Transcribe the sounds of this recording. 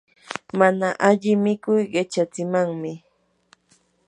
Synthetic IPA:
manaʔaʎɪmɪkʊjɢɪt͡ʃat͡sɪmaŋmɪ

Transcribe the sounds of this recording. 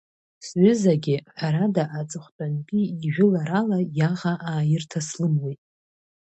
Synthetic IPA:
sʕʷʏzaɡʲɪħaɾadaʔat͡sʼɨχʷtʼanpʼiːʒᶣɪlaɾalajaʁaʔaːjɪrtʰaslɨmwitʼ

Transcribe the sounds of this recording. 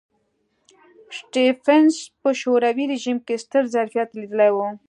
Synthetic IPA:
sʈifenspəʃoɾawiɾeʒimkest̪əɾzaɾfijat̪lid̪əlajwu

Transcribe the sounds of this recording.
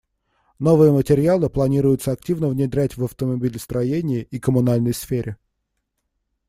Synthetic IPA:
no̞vɨjəmətʲɪɾʲɪalˠɨplˠɐnʲiɾʊjʊt̪səɐktʲivnəvnʲɪd̪ɾʲætʲvəft̪əmɐbʲilʲst̪ɾɐjenʲɪjɪʔikəmʊnalʲnəjsfʲeɾʲɪ

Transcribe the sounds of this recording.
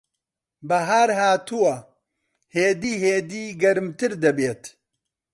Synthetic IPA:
bɐɦaːɾɦaːt̪ʰuwɐ | heːd̪iːɦeːd̪iːɡɐɾmt̪ɨɾd̪ɐbeːt̪

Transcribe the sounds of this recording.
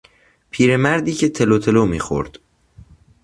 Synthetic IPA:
pʰiːɾemæɾd̪iːcʰet̪ʰelot̪ʰe̞loːmḭːxo̰ɾd̪̥

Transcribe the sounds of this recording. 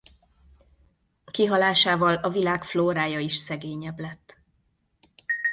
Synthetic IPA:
kiɦɒlaːʃaːvɒlɒvilaːkfloːɾaːjɒiʃsɛɡeːɲɛblɛt̪ː

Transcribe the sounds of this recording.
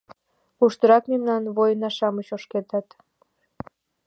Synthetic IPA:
uʃt̪əɾɑkmemnɑnβojənɑʃɑmət͡ɕoʃket̪ɑt̪

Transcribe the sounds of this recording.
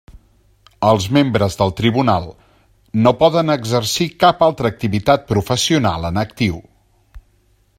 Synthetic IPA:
əlˠzmembɾəzðəlˠt̪ɾiβunalˠ | nopɔðənəɡzəɾsikapalˠt̪ɾəːk̚t̪iβit̪at̪̚pɾufəsiuna̰lˠənək̚t̪iw

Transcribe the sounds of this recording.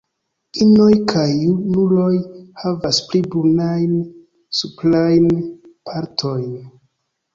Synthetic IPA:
ino̞jkʰajunulo̞jhavasplibonajn | suplajnpʰaɾtʰo̞jn

